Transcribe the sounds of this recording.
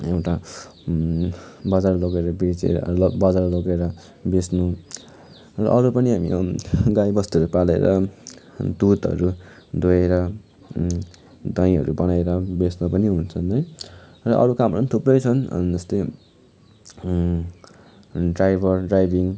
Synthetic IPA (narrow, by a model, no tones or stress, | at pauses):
ewʈa | bʌd͡zarloɡeɾʌbed͡zḛbʌd͡zarloɡeɾʌ | besnu | rʌ̰ʔʌɾupʌniɦamḭɡajbʌst̪uɦʌɾupalḛɾʌ̰ | d̪ut̪ʌ̰ɾu | d̪ojeɾʌ | d̪aj̃ɦʌɾubʌnajɾʌbesnupʌniɦunt͡sʰʌnʌjrʌʔʌ̰ɾukamʌɾpːʌnit̪ʰuprʌjt͡sʰʌn̰nd͡zʌst̪ʌj | ɖrajbʱʌrɖrajbiŋ